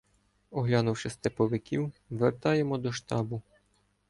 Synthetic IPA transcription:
ɔɦlʲɑnʊwʃɪst̪epɔʋɪkʲiwʋert̪ɑjemɔd̪ɔʃt̪ɑbʊ

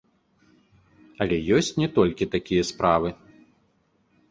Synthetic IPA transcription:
ɐlʲɛjɔsʲt͡sʲnʲɛt̪ɔlʲkʲit̪akʲijɐspɾavɨ

